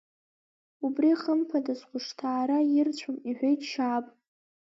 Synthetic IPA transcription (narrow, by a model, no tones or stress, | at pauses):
ubriχəmpʰadasqʷʰʊʂtʰaːɾajɪrt͡ɕʷʰomiħʷᶣejtʃaːpʼ